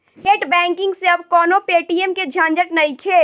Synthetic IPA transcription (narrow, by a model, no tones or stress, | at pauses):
neːʈbɛ̃ːŋkɪ̃ŋɡseɐbkɔːnopeːʈiːemked͡ʒʱãːnd͡ʒəʈnɐikʰeːl